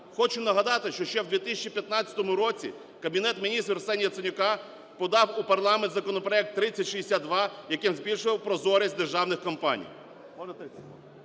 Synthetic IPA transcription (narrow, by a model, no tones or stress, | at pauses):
xɔt͡ʃʊnɐɦɐd̪ɑt̪ɪʃt͡ʃɔʃt͡ʃɛwd̪ʋʲit̪ɪsʲt͡ʃipʲjɐt̪nɑt͡sʲːɐ̥t̪ɔmʊɾɔt͡sʲḭ | kɐbʲinɛt̪mʲinʲist̪rsɛnʲijɐt̪sɔnʲʊkɑ | pɔd̪ɑwupɐrlˠɑment̪zɐkɔnɔpɾɔɛk̚t̪ːɾɪt͡sʲːɐtʲʃiesʲad̪̚d̪ʋɑjɐkɪmzʲbʲilʲʃʊʋɐwpɾɔzɔɾʲɐsʲd̪erʒɑwnɪxkɔmpɑ̰nʲḭj | ɔ